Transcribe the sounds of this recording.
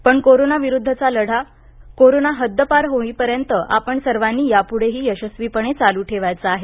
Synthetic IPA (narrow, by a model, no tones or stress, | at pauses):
pəɳkoɾonaʋiɾud̪ʱːət͡saləɽ̤a | koɾonaɦəd̪ʱːəpaɾɦoĩːpəɾjənt̪əʔapəɳsəɾʋanːiːjapuɽ̤eɦiːjəɕəsʋipəɳet͡saluːʈʰeʋajt͡saaɦe